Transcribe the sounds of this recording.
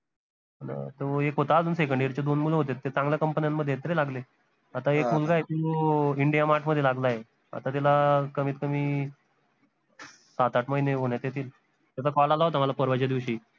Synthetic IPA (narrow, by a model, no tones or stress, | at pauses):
na̰t̪oekɦot̪aːd͡zʱuːnsekəɳɖiɾt͡ɕed̪onmuleɦot̪̬et̪ːet͡sãŋɡlakəmpənjanːəd̪ʱjeet̪ɾelaɡle | at̪aekmulɡaet̪uiɳɖijamaʈʰməd̪ʱjelaɡlaje | a̰t̪at̪̬alakəmiːt̪̚kəmiː | sat̪aʈməɦineɦoɳjat̪jet̪ʰiːl | t̪jat͡sakɔlalaɦot̪am̤alapəɾʋat͡ɕjad̪iʋɕiː